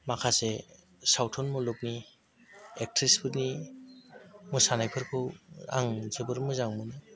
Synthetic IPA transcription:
makʰase | sawtʰɔnmuluk̚ni | ek̚tʰɾisbʰɯɾni | mɯsanajpʰɯɾkʰɯa̰ŋzebɯɾmɯzaŋmɯnɯ

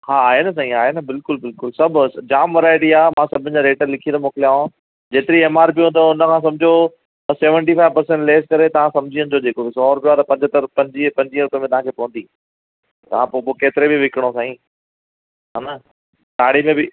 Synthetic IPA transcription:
haːaːɦenɐs̬ãːĩaːɦenɐbɪlkʊlbɪlkʊlsɐbʱd͡ʑaːmʋɐɾaːɪʈiaːmãsɐbʱɪnɪ̆d͡ʑaːɾeːʈəɾlɪkʰĩjə̃d̪omoːkɪlijaːɦõ | d͡ʑeːt̪ɪɾieːmaːɾpiũːnd̪oʊnəkʰãːs̬ɐ̃md͡ʑʱjo | t̪ɐseːʋə̃ɳʈifaːɪʋpɐɾsɛ̃ɳʈleːskɐɾet̪ɐʋ̤ãsɐmd͡ʑʱiːənɪ̆d͡ʑod͡ʑeːkobɪsɔːɾpijoaːt̪ɐpɐ̃ɲd͡ʑət̪əɾpɐ̃ɲd͡ʑipɐ̃ɲd͡ʑĩəɾʊpemẽt̪ɐʋ̤ãkʰeːpɐʋə̃nd̪iː | t̪ɐʋ̤ãpoːpokeːt̪ɪɾebɪʋɪkɪɽ̃osãːĩː | ɦaːnɐ | ɖaːɽ̤imẽbɪ

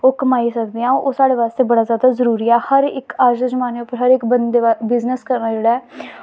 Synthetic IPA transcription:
oːkəmaːisəkd̪eãːoːsaːɽeːʋaːst̪eːbəɽaːzjaːd̪aːzəɾuːɾiːɛːhəɾɪkaːd͡ʒəzəmaːneːʊpːəɾɦəɾɪkbənd̪eːabɪznəskəɾnaːd͡ʒeːɽaːɛː

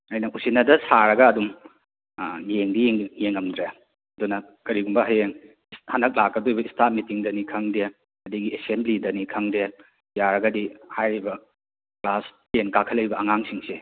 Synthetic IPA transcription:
ɐjnɐusinɐdɐsaɾɐɡɐːdum | jeŋdijŋjeŋɐmdɾe | ɐdunɐ | kɐɾiɡumbɐɦajeŋ | shanɐk̚lak̚ːɐdojbɐistʰat̚mitiŋdɐnikʰɐŋde | ɐdiɡiesemblidɐnikʰɐŋde | jaɾɐɡɐdihajɾibɐ | klastenkakʰɐlːejbɐɐŋaŋsiŋse

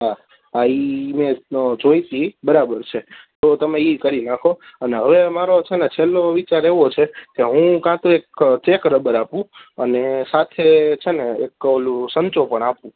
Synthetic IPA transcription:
ɦa | aimẽd͡ʒoit̪ibəɾabəɾt͡ʃʰet̪ot̪əmeikəɾinakʰoəneɦəʋemaɾot͡ʃʰenet͡ʃʰelːoʋit͡ʃaɾeʋot͡ʃʰekeɦũkãt̪uekt͡ʃekɾəbəɾapũənesat̪ʰet͡ʃʰeneeklũsəɲt͡ʃopəɳapũ

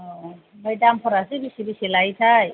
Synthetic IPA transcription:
ɔ | mɔjdampʰɔɾasibisibisilajt̪ʰaj

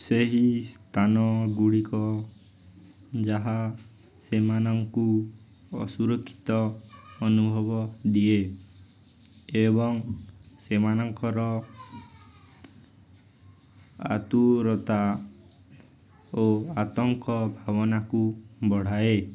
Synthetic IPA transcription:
seɦist̪ʰanɔɡuɽikɔ | d͡ʒaɦa | semanɔŋku | ɔ̰suɾɔkʰːi̥t̪ɔːnubʱɔbɔd̪ie | eβɔŋsemanɔŋkɔɾɔ | a̰t̪uɾɔt̪a | oat̪ɔŋkɔbʱabɔnakubɔɽ̤ae

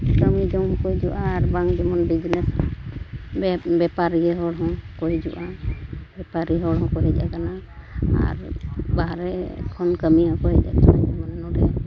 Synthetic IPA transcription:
kəmid͡ʒɔmɔkɔjd͡ʒuʔaːɾbaŋd͡ʒɛmɔnbid͡ʒnɛs | bɛpaɾiɡɛɦɔɽɦɔ̃koɦjd͡ʒuʔabɛpaɾiɦɔɽɦɔ̃kɔɾɛd͡ʒa̰kanaa̰ɾbaɦaɾɛkʰɔnkəmijakɔɦɛd͡ʒa̰t͡ʃʰɔd͡ʒɛmɔnɛnɔʈɛ̰

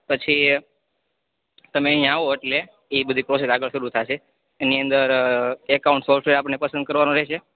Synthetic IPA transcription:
pət͡ʃʰi | t̪əmeəɦĩj̃aʋoeʈle | ibəd̪ʱipɾɔs̬esaɡəɭʃəɾut̪ʰaʃʰeː | niənd̪əɾekauɳʈsɔfʈʋeɾapəɳnepəsənd̪̚kəɾʋanõɾɛɦʃʰe

